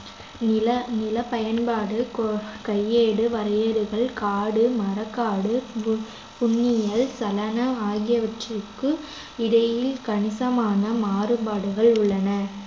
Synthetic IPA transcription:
nɪlɐpɐjɐnbaːɽɯkɐjːeːɽɯʋɐɾɐjɐɾɯɣɐɭkaːɽɯmɐɾɐkːaːɽɯ | pʊɳːɪjɐlsɐlɐnɐaːɣɪjɐʋɐʈrɯkːɯ | ɪɽɐjɪlkɐɳɪsɐmaːnɐmaːɾɯbaːɽɯɣɐɭʊɭːɐnɐ

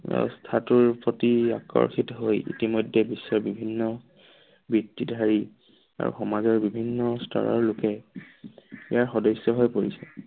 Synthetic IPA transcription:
a̰stʰatuɹpotia̰kɔ̰ɹxitɦojḭtimɔjdʱɛbisːɔɹbibʱinːɔ | bitːidʱaɹi | a̰ɹṵxɔmazɔɹbibʱinːɔsta̰ɹɔ̰ɹlʊkɛ | ijaɹxɔdɔsːɔɦojpoɹisɛ

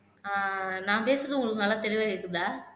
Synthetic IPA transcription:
aːnaːpeːsɾɐðɯʊŋɡɐɭɯkːɯnɐlːat̪ɛɾɪʋaːɣɐɾɯkːɯnd̪aː

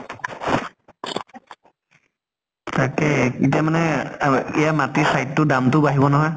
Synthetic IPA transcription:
takɛkitijamanɛijamatisajtːʊdamtʊbaɦibɔnaɦɔj

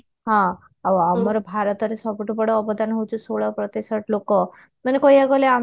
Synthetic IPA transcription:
ɦã | aamɔɾɔbʱaɾɔt̪ɔɾesɔbuʈubɔɽɔːbɔd̪ʱanɦowt͡ʃʰũsoɭapɾɔt̪isɔʈlokɔ | manekɔjaɡɔlea

